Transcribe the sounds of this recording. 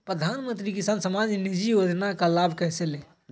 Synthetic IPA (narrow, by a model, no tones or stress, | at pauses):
pɾəd̪ʱanmənt̪ɾikisansəmad͡ʒnid͡ʒiod̪nakalabʱkɛɦsele